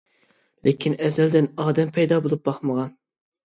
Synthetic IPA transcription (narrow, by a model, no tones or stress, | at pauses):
lʔekʲʰinɛzɛld̪ɪnɑːd̪ɛmpʰɛjd̪ɑbolˠup̚bɑχməʁɑn